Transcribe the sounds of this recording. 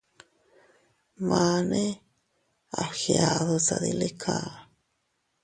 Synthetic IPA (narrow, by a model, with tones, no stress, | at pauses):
ma˧ne˦ | a˨xja˨ðo˧sa˨d̪i˧le˦kʰa˧